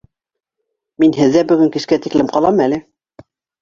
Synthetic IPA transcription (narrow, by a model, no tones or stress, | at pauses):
minɦɘ̆ðːæbɵ̆ɡɘŋkɘ̆ʃkæt̪iklɘmqɑlˠɑmælɘ